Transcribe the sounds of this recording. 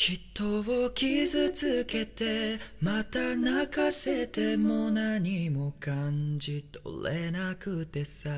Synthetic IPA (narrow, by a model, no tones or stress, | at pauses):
çʲit̪ːo̞βokʲizɨt͡sɨke̞t̪e̞mat̪anakase̞t̪e̞monaɲ̟imo̞kãɲd͡ʑit̪o̰lenakɯ̟t̪e̞sa